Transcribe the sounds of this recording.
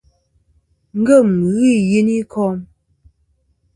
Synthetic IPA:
ŋ̩˦ɡə˦˨m˨ɣi˦˨je˨ni˦kʰɔ˦m

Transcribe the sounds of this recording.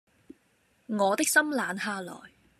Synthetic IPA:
ŋɔː˨˧t̪ɪ˥k̚sɐ˥mlaː˨˧nhaː˧lɔ̰ː˨˩j

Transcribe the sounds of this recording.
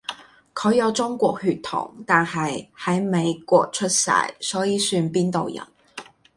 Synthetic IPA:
kʰɵ˨˧˥jɐ˨˧wt͡sʊ˥ŋkʷɔː˧k̚hyː˨t̪ʰʊ̰˨˩ŋt̪aː˨nhɐ˨jhɐ˨˥jme˨˧jkwɔː˧k̚t͡ʃʰɵ˥t̚sɐ̰˨˩jsɔː˨˥jiː˨˥syː˧npiː˥nt̪o˨wjɐ̰˨˩n

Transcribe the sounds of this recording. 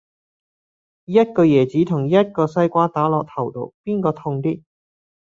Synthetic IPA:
jɐ˥t̚kɔː˧jɛː˨˩t͡siː˨˥t̪ʰʊ˨˩ŋjɐ˥t̚kɔː˧sɐ˧jkʷaː˧t̪aː˨˥lɔː˨k̚t̪ʰɐ˨˩wt̪o̰˨˧wpiː˥nkɔː˧t̪ʰʊ˧ŋt̪iː˥

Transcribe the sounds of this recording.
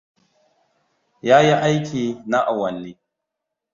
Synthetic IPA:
jaː˦ji˦ʔa˦jkʲiː˨na˦ʔa˨wɐ˨nːeː˦

